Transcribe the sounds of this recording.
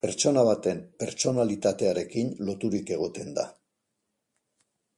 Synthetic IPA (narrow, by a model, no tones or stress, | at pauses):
pe̞ɾt͡ʃo̞naβ̞at̪e̞mpe̞ɾt͡ʃo̞nalit̪at̪e̞aɾe̞kinlo̞t̪uɾike̞ɣ̞o̞t̪e̞nd̪a̰